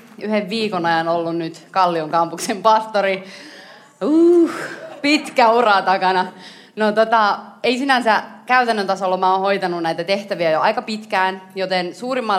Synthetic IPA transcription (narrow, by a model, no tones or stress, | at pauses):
yheʋʋiːkonɑjɑnolːunnyt̪kɑlːioŋkɑmpuksempɑst̪oɾi | uːhpit̪kæurɑt̪ɑkɑnɑ | not̪ot̪ɑeisinænsækæyt̪ænːønt̪ɑsolːɑmæonhojt̪ɑnunæjt̪æt̪eht̪æʋiæjoɑikɑpit̪kæːnjot̪ensuːrimːɑ